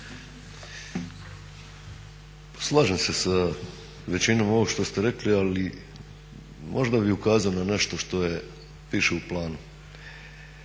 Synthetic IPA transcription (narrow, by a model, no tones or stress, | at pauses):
pḁslˠaːʒemse̞sa | ʋe̞t͡ɕino̞mo̞ʋoɡʃt̪o̞st̪eɾekliali | mʔo̞ʒd̪abiukaːzaonane̞ʃt̪o̞ʃt̪o̞je̞ | piːʃeuplˠaːnu